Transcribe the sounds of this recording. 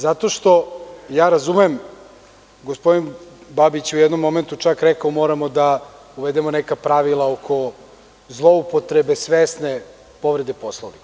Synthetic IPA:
zat̪o̞ʃt̪o̞jaːɾazumem | ɡospo̞d̪inbabit͡ɕeujɛd̪no̞mːo̞ment̪ut͡ʃakɾɛkaomo̞ːɾamod̪a | uʋed̪emonekapɾaʋilˠaokʰo̞ | zlˠo̞upot̪ɾebesʋesne | po̞ʋɾed̪epo̞slˠoʋni

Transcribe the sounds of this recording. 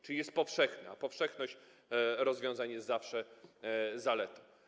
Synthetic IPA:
t͡ʂɘlʲijɛst̪̚pɔfʂɛxnɛapɔfʂɛxnɔɕt͡ɕ | ɾɔzvʲjɔ̃w̃zaɲjɛst̪zafʂɛ | zalɛt̪ɔ̥

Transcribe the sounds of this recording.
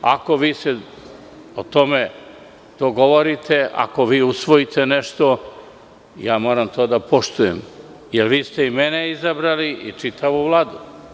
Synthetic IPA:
a̰ko̞ʋiːse | ot̪o̞me | d̪̥oɡo̞ʋoɾit̪ʰe̞a̰ko̞ʋiːusʋojit̪eneʃt̪o̞ | jaːmo̞ːɾamt̪ʰoːd̪apʰo̞ʃt̪ujḛm | jelʋiːst̪eimeneizabɾaliʔit͡ʂit̪ʰaʋuʋlˠaːd̪u

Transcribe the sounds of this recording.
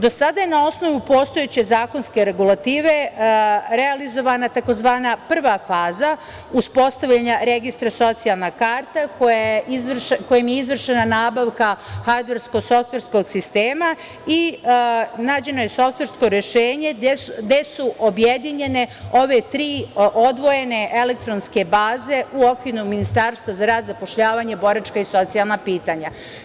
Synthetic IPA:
d̪o̞sad̪ajenao̞sno̞ʋupo̞ːst̪o̞jet͡ɕe̞zaːko̞nske̞ɾe̞ɡulat̪iːʋe̞ | ɾealizo̞ʋanat̪ako̞zʋaːnapr̩ʋafaːza | uspo̞st̪aʋʎaɲaɾe̞ɡist̪ɾaso̞t̪sijalˠnakaːɾt̪akojaizʋrko̞jimjeizʋr̩ʃe̞nanaːbaʋkaxad̪ʋeɾsko̞so̞ft̪ʋe̞ɾsko̞ɡsist̪e̞ːma | i | naːd͡ʑe̞no̞jeso̞ft̪ʋe̞ɾsko̞ɾe̞ʃeːɲe̞d̪e̞suʔo̞bjed̪iɲe̞ne̞o̞ʋe̞t̪ɾiːo̞d̪ʋo̞je̞ne̞ʔe̞lek̚t̪ɾonske̞baːze̞uo̞kʋiɾuminist̪aːɾst̪ʋazaɾaːd̪zapo̞ʃʎaːʋaɲebo̞ɾat͡ʃkaiso̞t̪sijalˠnapiːt̪aɲa

